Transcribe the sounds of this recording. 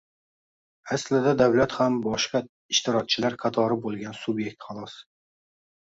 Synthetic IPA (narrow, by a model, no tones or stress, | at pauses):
aslɪd̪ad̪awlat̪hambɒʃqɑ | ɪʃt̪ʰɪɾɒk̚t͡ʃʰɪlaɾqʰɑt̪ʰɒɾɪbolˠɡʲansubje̞k̚ʲt̪χɑlˠɒs